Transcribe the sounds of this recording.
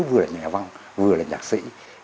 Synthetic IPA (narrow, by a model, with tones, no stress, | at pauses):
vɨ˨˩əlaː˨˩ɲɛ̰˨˩va˧ŋ | vɨ˨˩əlaː˨˩ɲaː˨˩k̚sḭ˧˥